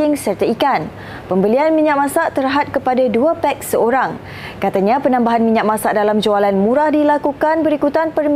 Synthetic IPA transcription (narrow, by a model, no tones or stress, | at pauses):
ɪŋsərt̪aikan | pəmbəlianmĩɲaʔmãsaʔt̪əɾɦat̪̚kəpadaduapɛk̚səoɾaŋ | kat̪aɲãpənãmbaɦanmĩɲaʔ̚mãsaʔ̚dalamd͡ʒoalanmũɾahdilakukanbəɾikut̪anpərm